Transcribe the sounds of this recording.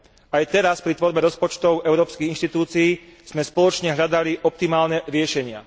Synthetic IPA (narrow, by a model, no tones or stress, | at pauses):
ajt̪ɛɾaspɾit̪ʋɔɾbɛɾɔspɔt͡ʃt̪ɔʊɛʊɾɔːpskiɣinʃt̪it̪uːt͡siiːz̥mɛspɔlɔt͡ʃɲɛɦʎad̪aliʔɔp̚t̪imaːlnɛɾɪɛʃɛɲɪa̰